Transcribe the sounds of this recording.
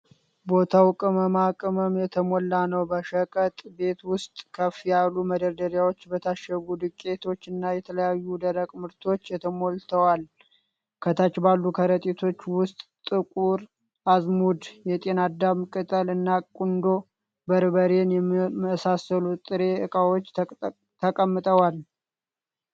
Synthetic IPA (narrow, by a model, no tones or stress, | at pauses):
bo̞t̪ʰawkʼɨməmakʼɨməmjɛt̪ʰəmo̞lːanəwbəʃəkʼət̪ʼbe̞t̪wʊst̪ʼkʰəfijalːuməd̪əɾd̪əɾjawo̞t͡ʃːbət̪ʰaʃəɡud̪ɨkʼːe̞t̪ʰo̞t͡ʃːɨnːajɛt̪ʰələjajːud̪əɾəkʼmɨɾt̪ʰo̞t͡ʃːjɛt̪ʰəmo̞lt̪ʰəwal | kʰət̪ʰat͡ʃːbalːukʰəɾət̪ʼit̪ʰo̞t͡ʃːwʊst̪ʼt̪ʼɨkʼuɾ | ʔazmud̪jɛt̪ʼe̞nad̪ammkʼɨt̪ʼəlɨnːakʼund̪o̞ | bəɾβəɾe̞njɛmməsasəlut̪ʼɨɾe̞ɨkʼawot͡ʃː | t̪ʰəkʼəmːɨt̪ʼəwal